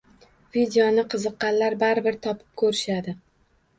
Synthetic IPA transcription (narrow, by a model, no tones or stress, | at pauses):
vid̪ejonɪqʰɨzɨqːɑnlaɾbaɾɪbɪɾt̪ʰɒpʰɪ̥p̚kʰɵɾɪʃad̪ɪ